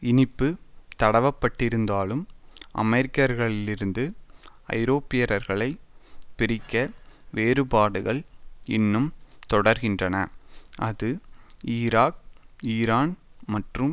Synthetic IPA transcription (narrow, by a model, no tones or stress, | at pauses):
ɪnɪpːɯt̪ɐɽɐʋɐpːɐʈːɪɾɯnd̪aːlɯmʔɐ̰mɛɾɪkːɐɾɣɐɭɪlɪɾɯnd̪ɯ | ɐ̰ɪɾoːpɪjɐɾɐɾɣɐɭɐɪpɪɾɪkːɐʋeːɾɯpaːɽɯɣɐɭɪ̰nːɯmt̪ɔɽɐɾɣɪndrɐnɐʔɐðɯiːɾaːk̚iːɾaːnmɐʈrɯm